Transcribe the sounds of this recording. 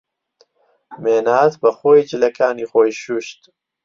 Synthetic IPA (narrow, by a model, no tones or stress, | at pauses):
meːnaːt̪bɐxojd͡ʒilɐkaːnixojʃuʃt̪